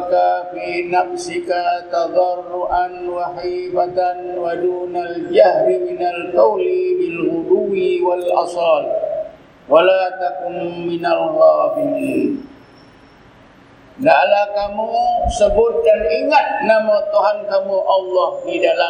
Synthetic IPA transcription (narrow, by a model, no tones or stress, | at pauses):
kafinafsikat̪ɑd̪ˤɑrːuʔanwahibat̪anwaduːnald͡ʒahɾiminalkawlibilhud̪uwiwalʔa̰sɑːl̚ | walat̪akʊmːɪnalɣɑːbinin | ɡaʔlahkamusəbʊt̪̚daniŋat̪̚namat̪uɦankamuʔɑlːɔhdidala